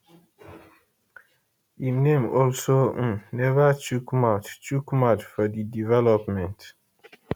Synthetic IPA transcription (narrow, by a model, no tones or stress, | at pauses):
imnẽmɔlsonɛvət͡ʃukmatt͡ʃukmatfɔdidivɛlɔpmɛ̃nt